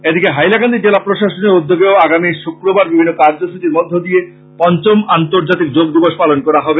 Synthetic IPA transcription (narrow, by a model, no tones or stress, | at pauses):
ed̪ikeɦajlakand̪id͡ʑelapɾoʃaʃoneɾud̪ʱːoɡeoaɡamiʃukɾobaɾbibʱinːokaɾd͡ʑoʃuʈiɾmod̪ʱːod̪ie | pɔnt͡ɕomant̪oɾd͡ʑat̪ikd͡ʑoɡd̪iboʃpalonkɔɾaɦɔbe